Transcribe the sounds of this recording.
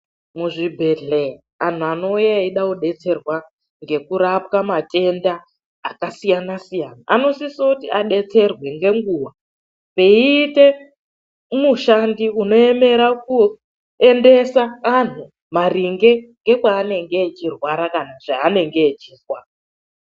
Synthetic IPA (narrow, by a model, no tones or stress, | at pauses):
muʐibʱe̞ɮea | an̤uano̞ujaiɗakuɗe̞t͡se̞rwa | ŋɡe̞kuɾapkamatʼe̞ndaː | kasijanasijanaʔano̞sisotiaɗe̞t͡se̞rwe̞ŋɡe̞ŋɡuːwa | pe̞iːte̞ | muʃandiuno̞e̞me̞ɾaku | e̞nde̞saːn̤u | mariŋɡe̞ŋɡe̞kwaːne̞ŋɡeːt͡ʃirwaɾakanaʐaːne̞ŋɡeːt͡ʃirwaːra